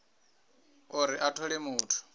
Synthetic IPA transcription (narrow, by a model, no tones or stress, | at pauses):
uɾiʔatʰɔlemuːtʰu̥